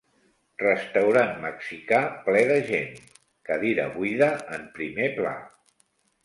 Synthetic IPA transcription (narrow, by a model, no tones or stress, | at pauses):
rəst̪əwɾanməksikaplɛðəʒen | kəðiɾə̰βuiðəəmpɾimepla̰